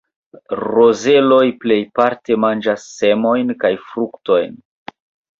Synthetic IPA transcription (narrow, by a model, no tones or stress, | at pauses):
ɾoze̞lo̞jple̞jpaɾte̞mand͡ʒasːe̞mo̞jnkajfɾukto̞jn